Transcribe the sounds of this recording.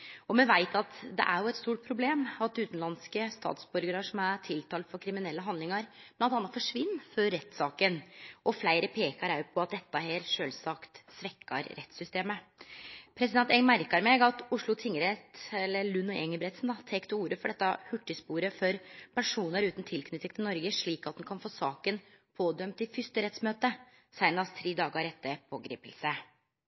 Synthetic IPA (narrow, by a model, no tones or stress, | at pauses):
ɔmɛnʋæɪt̪ʰɑt̪d̪ɛ̰ʔæɾjʊɛt̪st̪uːʈ̚pʰɾʊbleːmɑt̪ʉːt̪n̩lɑnskəst̪ɑ̰ːt̪sbʉɾɡəɾəʂɔmæt̪ʰɪlt̪ʰɑːlfɔɾkʰɾɪmɪnɛlːəɦɑnd̪ɪŋɑɾbblɑnɑnːɑt̪fɔʂʋɪnːfɔɾːɛt̪ːsɑːkənʔɔflæɪɾəpʰeːkɑɾæʉpʰɔɑt̪̚d̪ɛt̪ːɑɦeːɾʂøːlsɑkt̪sʋɛkːɑ̰ɾɾɛt̪sʏst̪eːmə | pʰɾɛsɪd̪ɛnt̪ɛŋmæɾkɑɾmɛɡɑt̪ʊʂɭʊt̪ʰɪŋːəɾɛt̪ɛlːəlʉnːʊʔɛŋəbɾɛt̪sn̩d̪ɑt̪ʰɛkt̪əuːɾəfɔɖɛt̪ːɑhʉʈːəspuːɾəfɔɾpʰæɳʂuːnəɾʉːt̪n̩t̪ʰɪlkʰnʏt̪ːɪkt̪ʰɪnɔɾɡəʂɭiːkɑt̪̚d̪ɛnkʰɑnfoːsɑːkən | pʰoːd̪œmt̪ɪfʏst̪əɾɛt̪smøːt̪ə | sæɪnɑst̪ʰɾiːd̪ɑːɡəɾɛt̪ːəpʰo̰ːɡɾḭːpəlsə